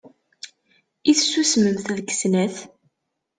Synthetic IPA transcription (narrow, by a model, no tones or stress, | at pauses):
iθsusməmθæðkə̥snæθ